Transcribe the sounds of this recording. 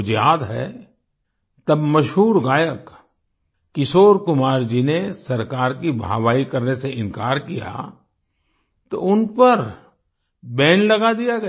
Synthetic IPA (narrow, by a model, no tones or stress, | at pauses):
d͡ʒjaːd̪ɦɛ̰ː | t̪ɐbmɐʃɦuːɾɡaːjəkː | ɪsoːɾkʊmaːɾd͡ʒinesɐɾkaːɾkibʱa̰ːwaːikɐɾneseɪ̃nkaːɾkij̰a̰ | t̪o̰ʊnpəɾ | bɛ̃ːnlɐɡad̪ijaɡɐ